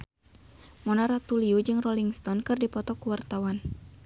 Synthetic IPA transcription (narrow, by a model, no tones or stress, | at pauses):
mɔnaɾat̪uliud͡ʒɨŋrɔliŋst̪ɔnkɨrdipɔt̪ɔkuwart̪awan